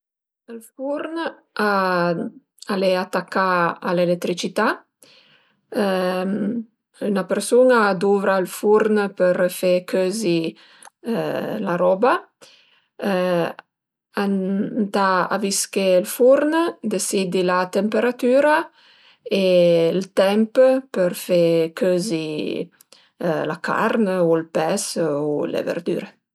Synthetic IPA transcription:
əlfuɾn | a | aleat̪akːaa̰lelet̪ɾit͡ʃit̪a | ynapeɾsunad̪uvɾalfuɾnpəɾfekʰøːzi | laɾɔba | ant̪aa̰viskelfuɾnd̪esid̪ilat̪empeɾat̪yːɾa | elt̪ɛmppəɾfekʰøzi | la̰ka̰ɾnulpɛsulḛvḛɾd̪y̰ɾe

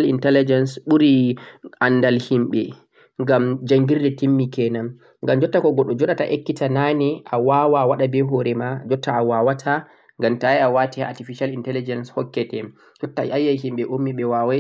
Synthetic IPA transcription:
lintɛlid͡ʒɛnsɓuɾiʔanːdalhimɓɛ | ŋɡamd͡ʒaŋɡiɾdɛtimːikɛnam | ŋɡamd͡ʒɔtːakɔɡɔɗɔd͡ʒɔɗataʔekːitananiʔawawawaɗabɛɦɔɾɛmad͡ʒɔtːaːwawatʰa | ŋɡamtaiawatia̰tifiʃalintɛlid͡ʒɛnshɔkːɛtɛ | d͡ʒɔtːa̰ajːajhimɓɛʔumːiɓɛwawa

